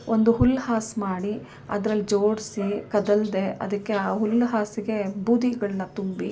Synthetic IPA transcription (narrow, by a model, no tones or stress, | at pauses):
ʔond̪uɦulːhaːsmaːɽi | ɐ̰d̪ɾɐlːid͡ʒoːɽsikɐd̪ɐld̪e̞ʔɐ̰d̪ɐkːe̞aːɦulːɦaːsiɡe̞buːd̪iɡɐɭɐnɐt̪umbi